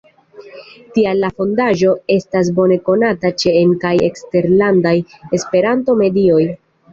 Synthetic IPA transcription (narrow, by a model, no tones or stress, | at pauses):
tialːafo̞ndaʒo̞e̞stas̬bo̞ne̞ko̞natat͡ʃe̞ːnkajekste̞ɾlandaje̞spe̞ɾanto̞me̞dio̞j